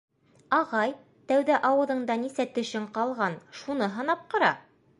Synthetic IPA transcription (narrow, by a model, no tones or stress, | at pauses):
ɑʁɑj | t̪æwðæʔɑwɤ̆ðɤ̆ɴd̪ɑnisæt̪ɵ̆ʃɘɴqɑlˠʁɑnʃunɤɦɤ̆nɑp̚qɤ̆ɾɑ̰